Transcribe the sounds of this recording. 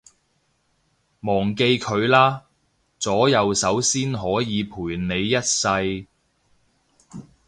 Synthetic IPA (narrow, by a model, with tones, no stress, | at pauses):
mɔː˨˩ŋke˧jkʰɵ˨˧ɥlaː˥ | t͡sɔː˨˥jɐ˨wsɐ˨˥wsiː˥nɦɔː˨˥jiː˨˧pʰuː˨˩jne˨˧jːɐ˥t̚sɐ˧j